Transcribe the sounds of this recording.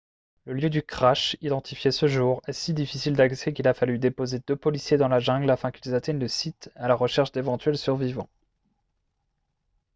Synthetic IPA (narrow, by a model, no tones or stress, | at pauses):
ləljød̪ykχaʃid̪ɑ̃t̪ʰifjesəʒuʁɛsid̪ifisild̪aksɛkilafalyd̪epozed̪øpɔlisjed̪ɑ̃laʒɛ̃ɡlafɛ̃kilzat̪ɛɲləsit̪alaʁəʃɛʁʃd̪evɑ̃t̪ɥɛlsyʁvivɑ̃